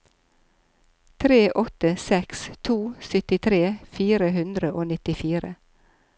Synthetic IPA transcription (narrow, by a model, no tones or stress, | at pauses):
t̪ʰɾeːʔɔt̪əsɛkst̪ʰuːsʏt̪ɪt̪ʰɾeːfiːɾəhʉnd̪ɾəʔoːnɪt̪ɪfiːɾə̰